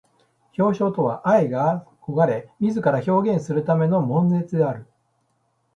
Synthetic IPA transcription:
ço̞ːɕo̞ːt̪o̞βa̰ʔaeɡako̞ɡaɾe̞mʲizɨkaɾaço̞ːɡʲẽ̞ɰ̃sɨɾɯ̟t̪ame̞no̞mõ̞nd͡ze̞t͡sɨd̪e̞aɾɯ̟

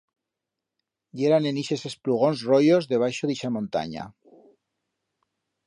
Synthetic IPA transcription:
ɟ͡ʝe̞ɾane̞niʃe̞se̞spluɣ̞o̞nsrojo̞zðe̞β̞ajʃoðiʃamõnt̪a̰ɲa̰

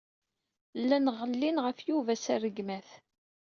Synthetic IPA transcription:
lːænəʁəlːinʁəfjuvæsærəɡmæθ

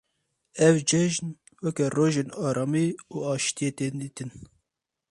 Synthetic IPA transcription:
ɛvd͡ʒɛʒn | wɛkɛroːʒeːnɑːɾɑːmiuːɑːʃt̪ijet̪eːd̪iːt̪ɨn

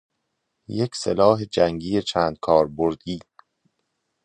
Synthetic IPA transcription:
jekʰsḛlɒːɦe̞d͡ʒæŋɟiːjet͡ʃʰæːnd̪̥̚kʰɒːɾboɾd̪̥iː

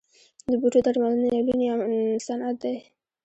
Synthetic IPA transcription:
d̪əbuʈod̪aɽmalanelalunjamsanat̪̚d̪aj

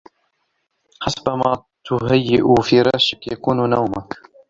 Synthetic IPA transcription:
ħasbamaː | t̪ʊɦajːɪʔufiːɾˤɑːʃɪkjakuːnnawmak

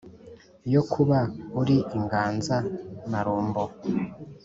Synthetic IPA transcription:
jokʰuβauɾiʔiŋɡaːnzamaɾoːmbo

